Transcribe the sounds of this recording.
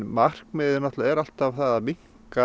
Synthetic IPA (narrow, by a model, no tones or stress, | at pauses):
mar̥kmɪːðɪɾnɔht̪laɛɾal̥t̪avθaðamiŋ̥ | ka